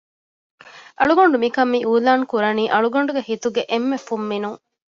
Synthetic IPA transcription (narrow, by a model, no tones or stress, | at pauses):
ʔɐɭuɡoɳɖumikɐmːiːuːlaːŋkuɾɐniːʔɐɭuɡoɳ̆ɖuɡehit̪uɡeʔemːefumːinuŋ